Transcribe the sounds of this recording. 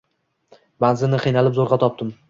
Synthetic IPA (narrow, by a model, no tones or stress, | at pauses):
banzɪnɪqʰɨjnalɪpzoɾʁɑt̪ʰɒp̚d̪ɪm